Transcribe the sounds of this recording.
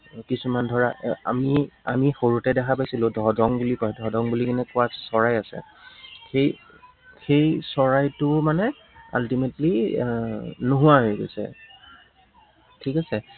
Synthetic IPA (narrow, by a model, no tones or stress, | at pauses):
kisumandʱɔɹaa̰mia̰mixoɹutɛdɛkʰapajsilʊ̃dʱɔdɔŋbulikɔjdʱɔdɔŋbulikinɛkʊwassɔɹajasɛ̰ | xej | xejsɔɹajtʊmanɛ | a̰ltimetli | noɦʊaɦojɡo̰jsɛ̰ | tʰikasɛ